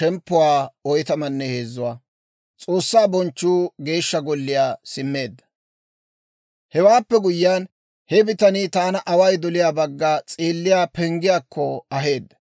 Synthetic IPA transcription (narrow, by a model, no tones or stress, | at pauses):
ɛmpːʊwaːɔjt̪ɐmɐnːɛheːzːʊwaː | t͡sʼo̞ːsːaːbɔnt͡ʃːuːɡe̞ːʃːɐɡɔlːɪjaːsɪmːe̞ːd̪ːɐ | hɛwaːpːɛɡʊjːaːn | hɛbɪt̪ɐnit̪aːnɐʔɐwɐjd̪ɔlɪjaːbɐɡːaːt͡sʼeːlːɪjaːpɛŋɡɪjaːkʰːɔɐɦe̞ːd̪ːɐ̥